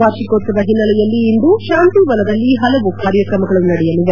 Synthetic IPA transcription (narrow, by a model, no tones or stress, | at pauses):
aːɾʃikot̪ːɐd̪ɐɦinːɐlɛjɐlːiːnd̪uʃaːnt̪iʋɐlɐd̪ɐlːiɦɐlɐʋukaːɾjɐkɾɐmɐɡɐɭunɐɽɛjɐliʋɐ